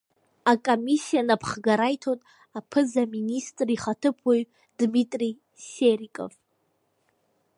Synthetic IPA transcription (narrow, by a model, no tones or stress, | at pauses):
akʼomisijanapʰχɡaɾajtʰotʼ | apʰɨzaministʼriχatʰɨpʰwoɥ | d̥mitʼri | serikʼo̰v